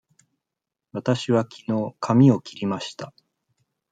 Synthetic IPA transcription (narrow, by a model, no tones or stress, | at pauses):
βat̪aɕiβakʲʰino̞ːkʰamʲio̞kʲiɾʲimaɕi̥t̪a